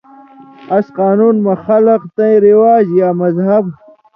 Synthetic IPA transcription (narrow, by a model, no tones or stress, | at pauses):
ɐsqaːnuːnmɐxɐlɐqt̪ɐ̃ĩɾiwaːd͡ʑjaːmɐzɦɐb